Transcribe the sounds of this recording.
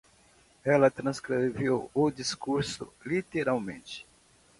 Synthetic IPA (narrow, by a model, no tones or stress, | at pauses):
ɛlɐt̪ɾɐ̃skɾevewʊd̪iskuɾsʊ̰lit̪eɾawmḛ̃t͡ʃɪ̥